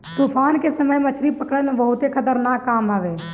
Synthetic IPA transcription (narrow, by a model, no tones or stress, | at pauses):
t̪uːpʰaːnkesəməjmət͡ʃʰɾipəkɽənbəɦʊt̪ekʰət̪əɾnaːkːaːmaːʋeː